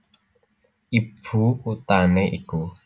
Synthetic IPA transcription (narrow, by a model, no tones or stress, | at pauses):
ʔib̥ʰukut̪aneʔḭku